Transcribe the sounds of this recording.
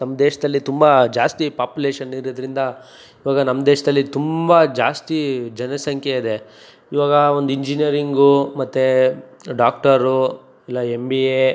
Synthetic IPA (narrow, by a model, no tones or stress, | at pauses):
nɐmːɐd̪eːʃɐd̪ɐlːit̪umbɐd͡ʒaːst̪ipaːpjuleːʃɐniɾod̪ɾind̪ɐ | iʋaːɡɐnɐmːɐd̪eːʃɐd̪ɐlːit̪umbɐd͡ʒaːst̪id͡ʒɐnɐsɐŋkʰjeid̪e | iʋaːɡɐo̞nd̪uiɲd͡ʒinijɐɾiŋɡumɐt̪ːeɖaːk̚ʈɐɾu | ilːɐembie